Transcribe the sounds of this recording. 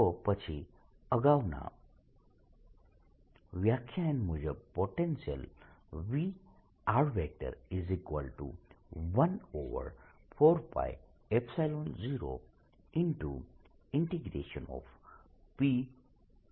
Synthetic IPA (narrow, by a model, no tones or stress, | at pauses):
t̪ɔpət͡ʃʰi | əɡawna̰ | ʋjakʰjaɛ̃nmud͡ʒəbpoʈensə̰lʋi | aɖʋɛk̚ʈə̰ɾizikʋəlʈṵʋɐnoʋə̰ɾfʰoɾpa̰j | epsajlonziɾo̰ | inʈu | iɳʈiɡɾḛʃənɔ̰f | pi